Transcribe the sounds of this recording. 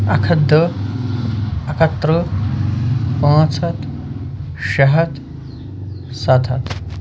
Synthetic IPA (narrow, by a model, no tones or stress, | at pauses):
ɐ̰kʰɐd̪ʱːə | ɐkʰɐt̪ɾə | pãːt͡sʰɐt̪ | ɕɐɦɐt̪ | sɐt̪ʰɐ̰t̪